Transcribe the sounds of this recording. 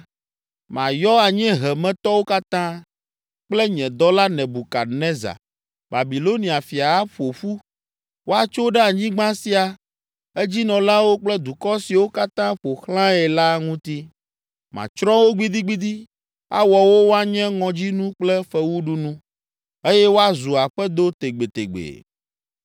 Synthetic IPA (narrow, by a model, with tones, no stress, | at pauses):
mã˨jɔ˦a˨ɲɛ̃˦ɦɛ˨mɛ̃˨t̪ɔ˦wo˦ka˦t̪ã˦ | k͡plɛ˦ɲɛ̃˨d̪ɔ˦la˦nɛ̃˨bu˨ka̰˨nɛ̃˦za̰˨ | ba˨bi˨lo˦nĩ˨a˨fi˨a˨a˦ɸo˨ɸu˦ | wo˦a˨t͡ʃo˦ɖɛ˦a˨ɲĩ˦ɡ͡bã˦si˨a˨ | e˦d͡ʑi˦nɔ̃˨lã˦wo˦k͡plɛ˦d̪u˨kɔ˦si˨wo˦ka˦t̪ã˦ɸo˨xlã˦ɛ˨la˦ŋũ˦t̪i˦ | mã̰˨t͡ʃɾɔ̃˦wo˦ɡ͡bi˦d̪i˦ɡ͡bi˦d̪i˦ | a̰˦wɔ˨wo˦wo˦a˨ɲɛ̃˦ŋɔ̃˨d͡ʑi˦nũ˦k͡plɛ˦ɸɛ˦wu˦ɖu˦nũ˦ | e˦jɛ˦wo˦a˦zu˨a˨ɸɛ˦d̪o˦t̪e˨ɡ͡be˨t̪e˨ɡ͡bḛ˨